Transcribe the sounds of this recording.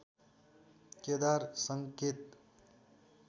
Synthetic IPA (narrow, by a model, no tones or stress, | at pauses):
ked̪aɾsəŋket̪